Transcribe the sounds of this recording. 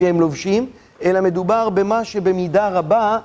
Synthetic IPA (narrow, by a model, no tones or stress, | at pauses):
ehemlovʃim | elame̞d̪ubaʁbe̞maʃe̞be̞midaʁaba